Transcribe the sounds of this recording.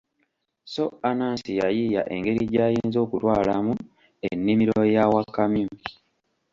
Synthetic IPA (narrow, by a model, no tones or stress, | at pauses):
so̞anaːnsijajija̰ʔe̞ŋɡe̞ɾiɟaːjiːnzo̞ːkutwaːlamu | enːimiɾo̞jawakːamju